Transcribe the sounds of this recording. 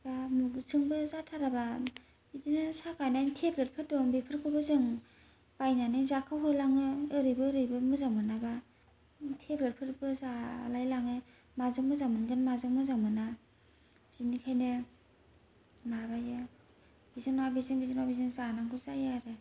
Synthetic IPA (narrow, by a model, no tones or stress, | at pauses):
bamusɯŋbɯzatʰaɾaba | bidinɯsakʰajnajntʰeblɯɾ̚pʰɯtɔbipʰɯɾkʰɯbɯzɯŋ | b̥ajnanɯzakʰawɦɯlaŋɯɯɾɯjbɯːɾɯjbɯmɯzaŋmɯnaba | tʰeblɯɾpʰɯtbɯzalajlaŋɯ | mazɯkmɯzaŋmɯnɡɯnmazɯŋmɯzaŋmɯna | bzinikʰajnɯ | mabajɯ | b̥izɯŋnwabizɯŋbizɯnwabizɯŋzanaŋkʰɯzajaɾɯ